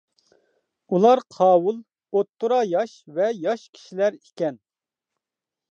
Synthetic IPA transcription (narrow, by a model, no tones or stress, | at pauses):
ulˠɑɾqʰɑːwulˠ | ot̪ʰːuɾɑjɑʃvɛjɑʃkʲʰi̥ʃilæɾikʲɛn